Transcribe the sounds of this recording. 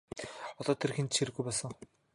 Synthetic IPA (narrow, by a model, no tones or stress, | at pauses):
ɔt̪ɔːt̪ʰerxent̪ʃeɾɘ̆ɣujpɔsɞ̆ŋ